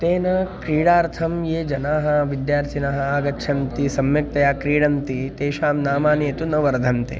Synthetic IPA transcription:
t̪eːnɐkɾiːɽaːɾt̪ʰɐmjeːd͡ʒɐnaːɦɐ̆ʋid̪jaːɾt̪ʰinaɦɐaːɡɐtːʃʰɐmt̪isɐmjɐk̚t̪ɐjaːkɾiːɽɐmt̪it̪eːʃaːmnaːmaːniet̪unɐʋɐɾd̪ʱɐmt̪ḛː

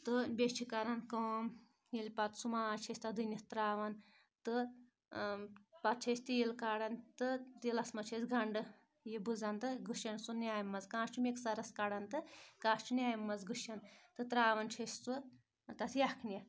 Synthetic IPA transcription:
t̪ɨbʲet͡ʃʰikɐɾankɐːm | jilʲpɐt̪sumaːt͡ʃʰesʲt̪ad̪ɨnʲɐst̪ɾaːʋɐn | t̪ɨ | pɐt̪̚t͡ʃʰesʲt̪ijilkaɽɐnt̪ɨt̪ilɐsmɐt͡ʃʰet͡sɡɐɳɖɨ | jibɨd͡zant̪ɨɡɨʃɐnsunʲaːjmːɐzkãːst͡ʃʰumeksɐɾɐskaɽɐnt̪ɨkãːst͡ʃʰinʲaːjmːɐzɡɨʃɐnt̪ɨt̪ɾaːʋɐnt͡ʃʰesʲt͡su | t̪ɐt̪ʰjakʰnʲjɐ

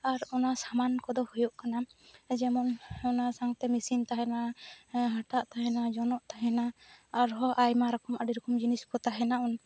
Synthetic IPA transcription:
aɾɔnasamankɔd̪ɔhujuʔkanad͡ʒɛmɔnɔnasaŋt̪ɛmisint̪aɦɛnaɦaʈaʔt̪aɦɛnad͡ʒɔnɔʔt̪aɦɛnaːɾɦɔʔajmaɾɔkɔmaɖiɾɔkɔmd͡ʒiniskɔt̪aɦɛnaʔɔn

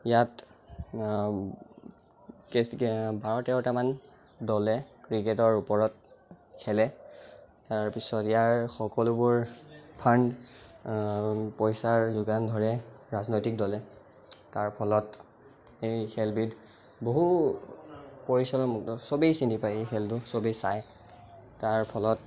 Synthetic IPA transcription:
ijat | kbaɹɔtɛʊtaman | dɔlɛkɹiketɔɹupɔɹɔt̚ | kʰɛlɛ | taɹpisɔtijaɹxɔkɔlʊbʊɹpʰand | pɔjsaɹzuɡandʱɔɹɛɹaznojtik̚dɔlɛ | taɹpʰɔlɔt | ejkʰɛlbit | boɦu | poɹisɔlɔmɔtɔsobejsintipajejxʰɛltʊsobisaj | taɹpʰɔlɔt

